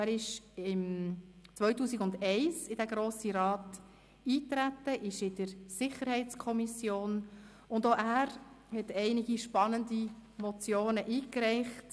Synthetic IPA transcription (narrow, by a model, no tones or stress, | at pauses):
æɾɪʃɪmt͡sʋœɥtuːsikɡʊndɛɪsɪd̥æɡɾoːsiɾɑːt | iːt̪ɾætːəʔɪʃɪdəɾsɪχəɾhɛɪt͡skʰɔmisjoːn | ʊnd̪oʔæːɾ | hɛtɛɪnɪɡiʃpɑnənd̪imɔt͡sjoːnəʔiːkɾɛɪχt